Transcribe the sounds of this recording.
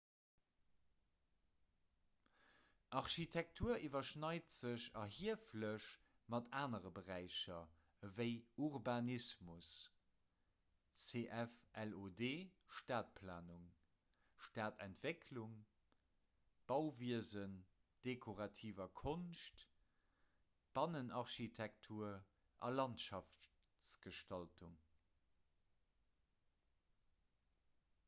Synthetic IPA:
ʔɑʁʃitʰɛk̚tʰuːɐʔivɐʃnɑɪtz̥əɕɑɦiəfləʃ | mɑtʰaːnəʁəbəʁæɪɕɐ | əvəɪuʁbanismus | t͡seʔɛfʔɛlodeːʃtaːt̚pʰla̰ːnuŋ | ʃtaːtʰɛntv̥ekʰluŋ | b̥ɑʊviəzən | d̥ekʰoʁɑtʰiːvɐkʰonʃt | b̥ɑnənʔɑʁʃitʰɛk̚tʰuːɐ | ʔɑ̰lɑntʃɑf | t͡sɡ̥əʃtɑltʰuŋ

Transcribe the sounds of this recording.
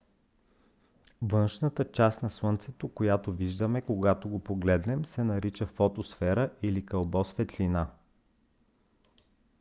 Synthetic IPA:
vɤnʃnət̪ət͡ʃast̪nɐswɤnt̪sɛt̪okojat̪oviʒd̪əmɛkoɡat̪oɡopoɡlɛd̪nɛmsɛnɐɾit͡ʃəfɔt̪osfɛɾəʔilikɐlˠbɔsfɛt̪lina

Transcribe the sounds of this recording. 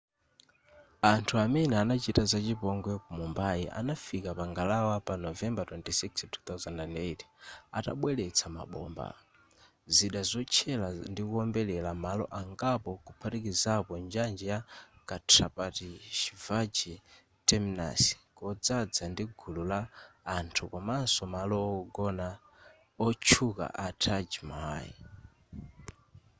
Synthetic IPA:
antʰuamɛnɛanat͡ʃitazat͡ʃipɔŋɡwɛkumumbaiʔa̰nafikapaŋɡalawapanɔvɛmbatwɛntisikstʰu̥t̪awzɛndɛndetʰi̥ata̰ɓwɛlɛt͡sʰama̰ɓɔ̰mba̰ | ziɗazɔt͡ʃʰɛlandikuɔmbɛlɛlamalɔ̰ʔaŋɡapɔkupʰatikizapɔnd͡ʒand͡ʒɛjakatʰɾapatiʃivad͡ʒi | tɛmina̰si̥kɔd͡zad͡zandiɡʱululaːntʰukɔmansɔmalɔɡɔna | ɔt͡ʃʰuka̰ʔatʰad͡ʒima̰jḭ

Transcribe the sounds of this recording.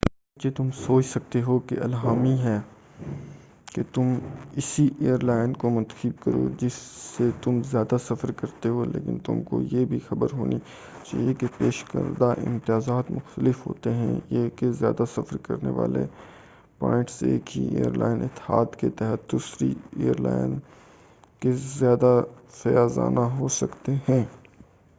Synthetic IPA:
d͡ʒet̪ʊmsoːt͡ʃsɐk̚t̪eɦokeʔɐlɦaːmiɦɛː | ket̪ʊmɪsiʔeːəɾlaːɪnkomʊ̃nt̪ə̥xib̚kɐɾo̰ːd͡ʒɪsːet̪ʊmzjaːd̪asɐfəɾkɐɾt̪eɦolḛːkɪ̰nt̪ʊ̰mko̰jebʱixɐbəɾɦo̰ːni | t͡ʃa̰ːɦijekepeːʃkə̰ɾd̪aʔɪ̰̃mt̪ɪjaːzaːt̪mʊxt̪əlɪfɦo̰ːt̪eɦɛ̰̃jekezjaːd̪asɐfəɾkɐɾnḛʋa̰ːlḛ | pɔːɪ̃ɳʈseːkɦiḛːə̰ɾla̰ːɪnɪt̪haːd̪ket̪ɛɦət̪̚d̪uːsɾḭeːəɾla̰ːɪn | kezjaːd̪afɐjaːza̰ːnaɦosɐkt̪eɦɛ̃ː

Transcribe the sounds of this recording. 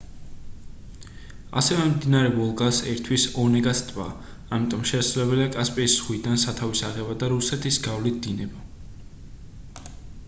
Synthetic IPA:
a̰sɛvɛmd̪inaɾɛvɔlˠɡasɛɾt̪ʰwisɔnɛɡast̪ʼva̰ː | mit̪ʼɔmʃɛsulɛbɛliakʼaspʼisχwid̪ansat̪ʰavisaʁɛbad̪aɾusɛt̪ʰisɡavlit̪̚d̪̥inɛba

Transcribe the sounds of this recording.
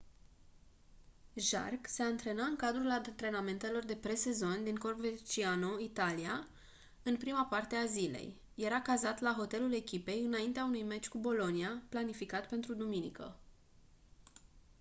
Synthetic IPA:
ʒa̰rkse̞ant̪ɾe̞naɨŋkad̪ɾulat̪ɾe̞name̞nt̪e̞lo̞rd̪e̞pɾe̞se̞zo̞nʲd̪iŋko̞rvet͡ʃianoit̪alia | ɨnpɾimapart̪e̞azile̞̰jː | e̞ɾakazat̪laɦo̞t̪e̞lule̞kʲipe̞jɨnaint̪eaunujme̞t͡ʃʲkubo̞lo̞niaplanifikat̪pe̞nt̪ɾud̪uminikə̰

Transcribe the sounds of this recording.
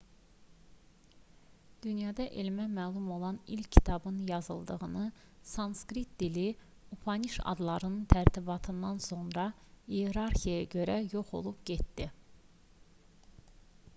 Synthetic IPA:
d̪̥ynjɑd̪ɑʔelimæmæːlˠumo̞lˠɑnilcʰcʰːi̥t̪ʰɑbɯnjɑzɯlˠd̪ɯʁɯnɯ | sɑnskɾit̪̚d̪ili | upʰɑniʃɑ̰d̪lˠɑɾɯnɯnt̪ʰæɾt̪ʰibɑt̪ʰɯnd̪ɑnso̞nɾɑ | ijeɾɑɾxijejɟø̞ɾæjoχo̞̰lˠupɟet̪d̪i

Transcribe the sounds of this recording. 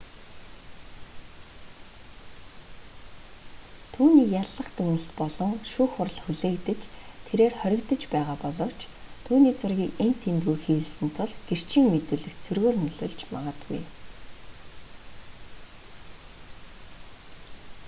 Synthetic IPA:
t̪ʰuːniːjaɮːə̆χt̪ɵŋnɘ̆ɬt̪pɔɮɞ̆ŋʃuːxʊr̆ɮxuɮeːkt̪ɘ̆t͡ɕt̪ʰeɾeːrχœɾʲɪ̆kt̪ə̆t͡ɕpæːʁaːpɔɮɞ̆w̥t͡ɕ | t̪ʰuːniːt͡sʊrɣʲiːkent̪ʰːent̪ɣujxiːɮsɘ̆nt̪ʰʊɮɡ̥er̥t͡ɕʰĭːŋmet̪ɘ̆ɮɘ̆k̪t͡sʰɵrɣoːrnɵɮɵːɮt͡ɕma̰ʁə̆t̪ɡṵj

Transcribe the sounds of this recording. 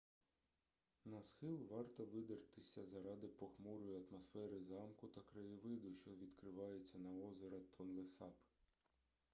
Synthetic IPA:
nɐsxɪlˠʋɑrt̪ɔʋɪd̪ert̪ɪsʲɐzɐɾɑd̪ɪpɔxmɔɾɔjʊɐt̪mɔsfɛɾɪzɑmkʊt̪ɐkɾɐjiʋɪd̪ʊʃt͡ʃɔʋʲid̪kɾɪʋɑjet͡sʲːɐnɐɔzeɾɐt̪ʰɔnlˠesɑp

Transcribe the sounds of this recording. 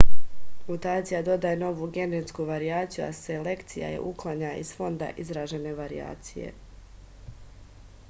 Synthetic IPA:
mut̪aːt̪sijad̪o̞d̪ajeno̞ʋuɡe̞net̪skuʋaɾiaːt̪sijua̰sele̞kt̪sija̰jḛʔuklˠaɲaizfo̞nd̪a̰ʔizɾaːʒe̞ne̞ʋaɾia̰ːt̪sijḛ

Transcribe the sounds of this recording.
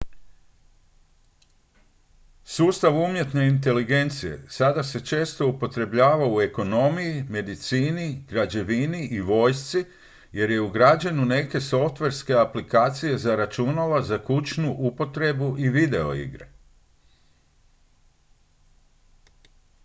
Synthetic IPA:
suːst̪aʋumje̞t̪ne̞int̪e̞liɡe̞nt̪sije̞̰sad̪ase̞t͡ʃe̞ːst̪o̞upo̞t̪ɾe̞bʎaːʋaue̞ko̞no̞mijime̞d̪it̪siːniɡ̥ɾad͡ʑe̞ʋiniʔiʋo̞ːjst̪si | je̞ɾje̞uɡɾad͡ʑanune̞ke̞so̞ft̪ʋe̞ɾske̞aplikaːt̪sije̞zaɾat͡ʃunaʋazakut͡ʃnuʔupo̞t̪ɾe̞buʔiʋid̪e̞o̞̰ḭɡɾe

